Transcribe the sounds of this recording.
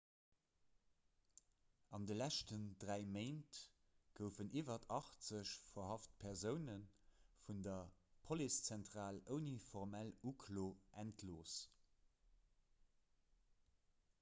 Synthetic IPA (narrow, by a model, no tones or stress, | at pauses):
ɑndəlæʃtəndʁæɪmeɪnt | ɡ̥əʊfənʔiːvɐtʰɑχt͡səɕfɐhɑft̚pʰɛʁzəʊnənfundɐpʰolist͡sæntʁaːləʊnifɔʁmælukʰloːʔæntʰloːs